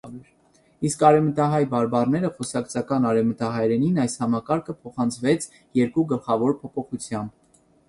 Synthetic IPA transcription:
iskɑɾɛvmət̪ɑɦɑjbɑɾbɑrnɛɾəχɔsɑkt͡sʰɑkɑnɑɾɛvmət̪ɑɦɑjɾɛninɑjshɑmɑkɑɾkʰəpʰɔχɑnt͡sʰvɛt͡sʰ | jɛɾkuɡəlχɑvɔɾpʰɔpʰɔχut͡sʰjɑmb

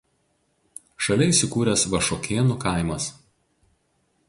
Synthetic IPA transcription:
ʃɐlʲɛɪsʲɪkuːɾʲɛsʋɐʃoːkʲʰeːnukɐˑɪmɐs

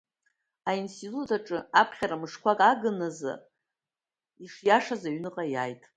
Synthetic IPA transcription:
ainstʰitʼutʰaʈ͡ʂʼɨapʰχʲaɾamɨʂkʷʰakʼaɡɨnaza̰ | iʂjaʂazaɥnɨqʼajajtʼ

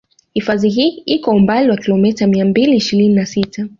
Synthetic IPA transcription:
hifaziɦiːikɔumbaliwakilɔmɛtamiambiliːʃiɾininasitʰa

